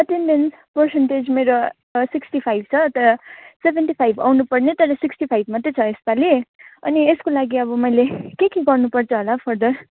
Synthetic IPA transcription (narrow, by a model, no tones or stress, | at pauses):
ʌʈenɖen | pʌrsenʈed͡zmeɾo | siksʈipʰajb̚ʱt͡sʰʌt̪ʌɾʌsebʱenʈipʰajbʱa̰wnupʌrnet̪ʌɾʌsiksʈipʰajbʱmʌt̪et͡sʰʌespaleʌ̰nieskolaɡiʌβʌmʌjlekekiɡʌrnupʌrt͡sʰʌɦolapʰʌrd̪ʌr